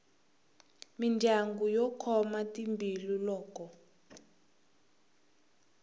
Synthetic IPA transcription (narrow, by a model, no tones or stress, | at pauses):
mind͡ʒʱaŋɡujɔkʰɔmatʼimbʱilulɔːkɔ